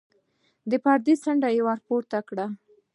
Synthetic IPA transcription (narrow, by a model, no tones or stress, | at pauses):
d̪əpɑɾd̪isaɳɖajawaɾpoɾt̪akɽa